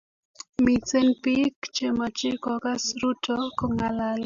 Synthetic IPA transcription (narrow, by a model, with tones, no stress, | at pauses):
mi˨t͡se˦npi˦kt͡ʃe˨ma˨t͡ʃɪ˦kɔ˨ka˦sɾu˦tʰɔkɔ˨ŋalal